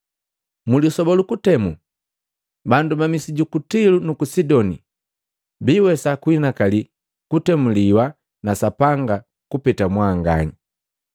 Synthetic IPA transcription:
mulisɔbɔlukutɛmu | bandumamisiɟukutilunukusidɔnḭ | biːwɛsakwinakali | kutɛmuliwa | nasapaŋɡa | kupɛtamwaːŋɡa̰ɲi

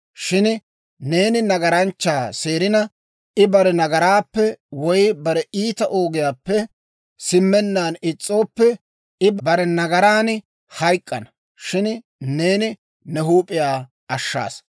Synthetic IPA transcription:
ʃɪn | ne̞ːnɪnɐɡɐɾɐnt͡ʃːaːse̞ːɾɪnɐ | ɪbɐɾɛnɐɡɐɾaːpːɛwɔjbɐɾɛʔiːt̪ɐʔo̞ːɡɪjaːpːɛ | sɪmːɛnːaːnɪt͡sʼːo̞ːpːɛ | ɪbbɐɾɛnɐɡɐɾaːn | hɐjkʼːɐnɐ | ʃɪn | ne̞ːnɪ | nɛɦuːpʼɪjaː | ɐʃːa̰ːs

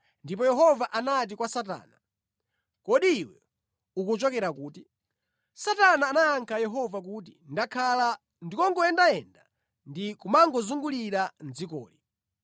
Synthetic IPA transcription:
ndip̬ɔjɛɦɔvaʔanat̬ikwasat̬a̰ːna | kɔɗiːwɛ̰ | ukut͡ʃɔkɛɾakuːti | satanaːnaaŋkʰajɛɦɔvak̬ut̬indakʰala | ndikɔŋɡɔɛndaɛnda | ndikumaŋɡɔzuŋɡuliɾand͡zikɔ̰ːli

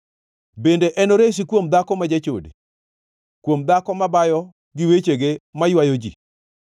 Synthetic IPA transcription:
bendeʔɛnoɾeʃ̬ikwomd̪akɔmad͡ʒat͡ʃo̰dḛ | kwomd̪akɔmabajɔ | ɡɪwet͡ʃeɡemajwajod͡ʒḭ

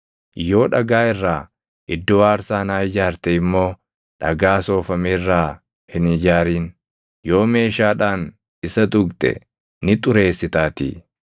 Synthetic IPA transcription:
jo̞ːᶑɐɡaːɪrːaː | ʔɪd̪ːoːaːɾsaːnaːɪd͡ʒaːɾt̪ɛɪmːo̞ː | ᶑɐɡaːso̞ːfɐmeːrːaː | hɪnɪd͡ʒaːɾiːn | jo̞ːme̞ːʃaːᶑaːn | ɪsɐt̪ʊɡt̪ʼɛ̰ | nɪt̪ʼʊɾe̞ːsːɪt̪aːt̪ḭː

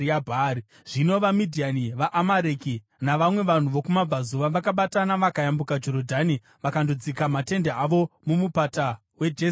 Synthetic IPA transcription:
iabʱaːi | ʐ̥ino̞ʋamidʱianiʋaʔamaɾeki | naʋamwe̞ʋan̤uʋo̞kumab͡vʱazuʋaʋakaɓatanaʋakajambukad͡ʒo̞ɾodʱani | ʋakandod͡zikamate̞ndeaʋo̞mumupata | we̞d͡ʒe

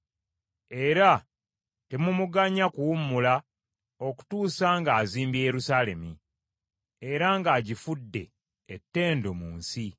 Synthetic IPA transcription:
e̞ɾa | te̞mumuɡaɲakuwumːula | o̞ku̥tuːsaːŋɡaːziːmbejeɾusaːle̞mi | eɾaŋɡaːɟifudːe̞ː | tːe̞ːndomuːnsi

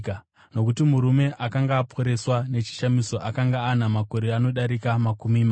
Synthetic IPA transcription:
no̞kutimuɾume̞ʔakaŋɡaːpʰo̞ɾe̞swane̞t͡ʃi̥ʃamiso̞ʔakaŋɡaːnamako̞ɾeano̞ɗaɾikamakumima

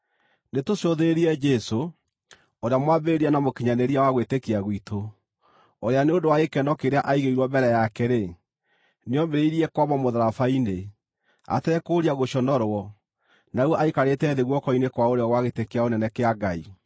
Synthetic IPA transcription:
netosjoðeeɾiɛd͡ʒɛso | oɾeamwabeeɾianamokiɲaneɾiawaɣwetekeaɣwitʰo | oɾeaneondowaekɛnɔkeɾeaʔaiɣeiɾwɔbɛɾɛjakɛɾe | neɔmeɾeiɾiɛkwamɔmoðaɾafaine | a̰tɛɾɛkoːɾiaɣoɕɔnɔɾwɔ | nawʔaikaɾetɛːðeɣwɔkɔinekwaoɾeɔɣwaɣetekeaonɛnɛkeaɡai

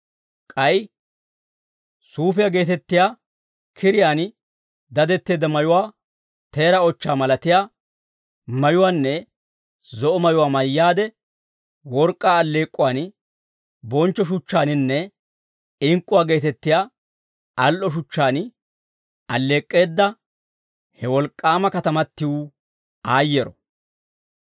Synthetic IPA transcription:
kʼɐj | suːfɪjaːɡe̞ːt̪ɛt̪ːɪjaː | kʰɪɾɪjaːn | d̪ɐd̪ɛt̪ːeːd̪ɐmɐjʊwaː | t̪e̞ːɾɐɔt͡ʃːaːmɐlɐt̪ɪjaː | mɐjʊwaːnːɛ | zɔʔɔmɐjʊwaːmɐjːaːd̪ɛ | wɔɾkʼːaːɐlːe̞ːkʼːʊwaːn | bɔnt͡ʃːɔʃ̬ʊt͡ʃːaːnɪnːɛ | ɪŋkʼːʊwaːɡe̞ːt̪ɛt̪ːɪjaː | ɐlʔɔʃ̬ʊt͡ʃːaːn | ɐlːe̞ːkʼːe̞ːd̪ːɐ | hɛwɔlkʼːaːmɐkɐt̪ɐmɐt̪ːɪwʊ | aːjːɛɾɔ

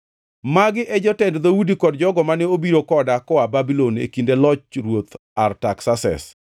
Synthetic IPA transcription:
maɡɪʔɛd͡ʒɔtɛndd̪awudikɔdd͡ʒɔɡɔmanɛobiɾokɔdakɔababilonḛkindelɔt͡ʃɾwot̪artaksasɛ̰s

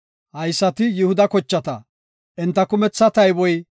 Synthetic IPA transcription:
hɐjsːɐt̪ɪjɪhʊd̪ɐkɔt͡ʃːɐt̪ɐ | ʔɪnt̪ːɐkʊmɛt͡sːɐt̪ɐjbɔj

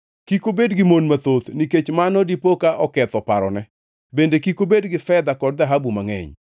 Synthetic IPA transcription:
kikobedɡɪmonmat̪ot̪niket͡ʃmanɔdipokaʔɔkɛt̪ɔpaɾɔnɛ | bendekikobedɡɪfɛd̪akɔd̚d̪aɦabumaŋɛ̰ɲ

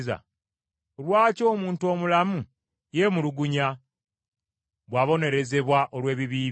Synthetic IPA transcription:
za̰ | olwaːco̞ːmuːntuo̞ːmulamu | je̞muluɡuɲa | βwaːβo̞ne̞ɾe̞ze̞βwaʔo̞lwe̞ːβiβiː

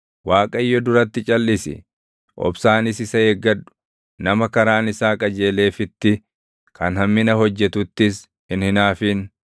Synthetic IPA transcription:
waːkʼɐɪjːɔd̪ʊɾɐt̪ːɪt͡ʃʼɐlːɪsɪ̰ | ʔɔ̰bsaːnɪsɪsɐeɡːɐdʊ̥ | nɐmɐkɐɾaːnɪsaːkʼɐd͡ʒe̞ːle̞ːfɪt̪ːɪ | kɐnhɐmːɪnɐɦɔd͡ʒːɛt̪ʊt̪ːɪs | hɪnhɪnaːfɪn

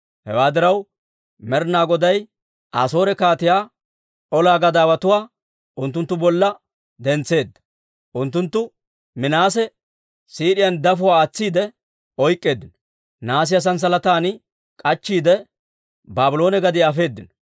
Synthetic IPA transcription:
hɛwaːd̪ɪɾɐw | mɛɾnaːɡɔd̪ɐj | ʔa̰ːso̞ːɾɛkaːt̪ɪjaː | ɔlaːɡɐd̪aːwɐt̪ʊwaː | ʔʊnt̪ːʊnt̪ːʊbɔlːɐ | d̪ɛnt͡sːe̞ːd̪ːɐ̥ | ʔʊnt̪ːʊnt̪ːʊ | mɪnaːsɛ | siːɗɪjɐnd̪ɐfʊwaːt͡sːiːd̪ɛ | ɔjkʼːe̞ːd̪ːɪnɔ | naːs̬ɪjɐs̬ɐns̬ɐlɐt̪aːn | kʼɐt͡ʃːiːd̪ɛ | baːbɪlo̞ːnɛɡɐd̪ɪɐfe̞ːd̪ːɪnɔ

